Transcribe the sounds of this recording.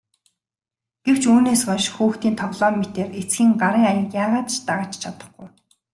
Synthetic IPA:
ɡ̥ew̥t͡ɕuːneːsɔnʃxuːxt̪iːnt̪ʰɔʁɮɔːmet̪eːret͡sɡʲiːŋɢaɾiːŋajə̆kjaːʁaːt̪t͡ɕt̪aʁəːt͡ɕt͡ɕʰat̪ə̥̆χɡʊj

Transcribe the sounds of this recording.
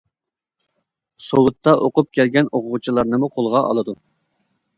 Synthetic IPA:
sowʊt̪ʰːɑʔoqʊp̚kʲʰɛlɡʲɛnoqʊʁʊt͡ʃʰilˠɑɾnɨmuqʰolˠʁɑʔɑ̰lˠɨd̪u

